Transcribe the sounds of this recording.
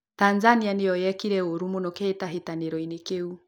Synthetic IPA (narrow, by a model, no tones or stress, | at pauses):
tanzanianejɔjɛkiɾɛoɾumunɔkɛːtaɦetaneɾɔinekeu